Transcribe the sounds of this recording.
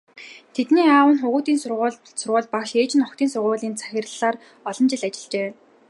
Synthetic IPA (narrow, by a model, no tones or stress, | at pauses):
t̪ʰet̪niːaːwə̆nχʊʁuːt̪iːnsʊrʁ | sʊrʁʊːɮpaʃeːt͡ɕɪ̆nɔkt̪ʰiːnsʊrʁʊːɮiːnt͡sʰḁxʲɪ̆rɮaːr | ɔɮɞ̆nt͡ɕɪ̆ɮat͡ɕɪ̆ɮt͡ɕeː